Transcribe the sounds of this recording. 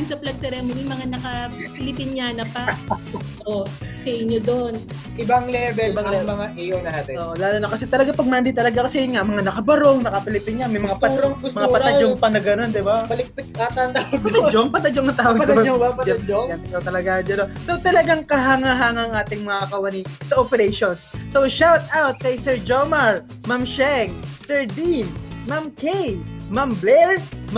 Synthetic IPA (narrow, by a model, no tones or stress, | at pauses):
jʊnsɐplɐɡ̚sɛɾɛmonɪmɐŋanɐkɐpɪlɪpɪnjanɐpɐ | ʔʔosɐʔɪɲːod̪on | ʔɪbɐŋlɛvɛɪbɐŋɛmɐŋaʔijonat̪ɪʔoːʔolaːluːnɐkɐsɛt̪ɐlɐɡapɐɡ̚mɐɐnd̪it̪̬ɐlɐɡakɐsɛjʊnŋaʔmɐŋanɐkɐbɐɾoŋnɐkɐpɪlɪpinɲamɐjmɐŋap̪ɐɾoŋbʊsɐŋapːpɐɐd͡ʒoŋpɐnɐɡɐno̞nd̪ɪbapɐlɪk̚pɪt̪̚kaːt̪ɐnɐad͡ʒoŋpɐt̪ɐd͡ʒoŋɐt̪aːwɐɡ̪bɐtd͡ʒd͡ʒoɡɐnkɐt̪ɐlɐɡad͡ʒɐnosowt̪ɐlɐɡaŋkɐɦaŋaɦaːŋɐɐŋʔaːt̪ɪŋmɐŋaɐkɐwɐnisɐʔopɛɾejʃonssowʃawt̪̚awt̪̚kɐjsɛɹd͡ʒomɐɹmɐmʃɛŋsɛɹd̪inmamkɛjmɐmblɛɹm